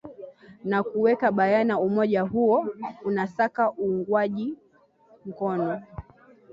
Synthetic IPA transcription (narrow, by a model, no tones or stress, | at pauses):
nakuwɛkaɓajanaumɔʄaɦuɔunasakaʔuːŋɡwaʄi | m̩kɔnɔ